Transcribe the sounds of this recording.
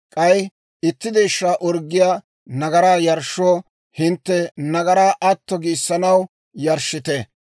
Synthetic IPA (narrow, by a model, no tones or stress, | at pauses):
kʼɐj | ɪt̪ːɪd̪ɛjʃːaːʔɔɾɡːɪjaː | nɐɡɐɾaːjɐɾʃːoː | hɪnt̪ːɛnɐɡɐɾaːʔɐt̪ːɔɡɪsːɐnɐw | jɐɾʃːɪt̪ɛ